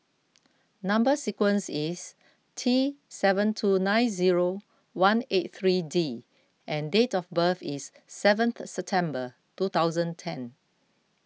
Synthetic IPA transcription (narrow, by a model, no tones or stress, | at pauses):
nãmbəsikwə̃nsis | tʰisɛvə̃ntʰunãɪnziɹo | wãnet̚θɹidi | ʔɛ̃ndetɔfbəθisː | ɛvə̃nθsɛp̚tʰɛ̃mbə | tut̪awzə̃ntʰɛ̃n